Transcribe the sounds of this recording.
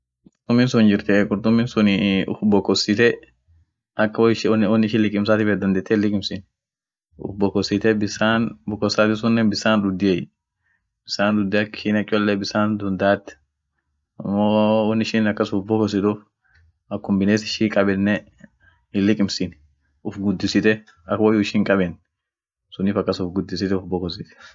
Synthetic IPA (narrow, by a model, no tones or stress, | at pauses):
ɾt̪ʊmːinsʊnd͡ʒɪɾt̪ɛkʼʊɾt̪ʊmːɪːnsʊniʊbɔkːɔsɪt̪ɛ | ʔɐkːwʃnwɔnːɪʃɪlɪkʼɪmsaːt̪ɪfɛd̪ɐnd̪eːt̪ːɛlːɪkʼɪmsɪn | ʊ̰bːɔkɔsit̪ɛbɪsaːnbɔkːɔsːaːt̪ɪs̬ʊnːɛbɪsaːnᶑ̪ʊd̪ːɪej | b̥ɪsaːnd̪ʊd̪ːɛɐkːʃinɐkʼɔlːɛbɪsaːnd̪ʊnd̪aːt̪ːɛ̥ | ɐmːoːɔnːɪʃɪnɐkːɐsʊfbɔkɔs̬ɪt̪uːf | ɐkːʊmbɪneːsɪʃiːkʼɐbɛnːɛ | ɪlːɪkʼɪmsɪn | ʊfɡʊd̪ːɪsɪt̪ɛ | ɐkwɐjʊɪʃiːŋkʼɐbɛn | sʊnːiːfɐkːɐsʊfɡʊd̪ːɪsɪt̪ɛʊfbɔkɔsɪt̪ɛ̥